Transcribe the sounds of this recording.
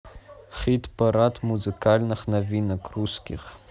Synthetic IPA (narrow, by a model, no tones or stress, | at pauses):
χitʰpʰaɾatʰmuzɨkʰalʲnɨχnavinakʰruskʲḭχ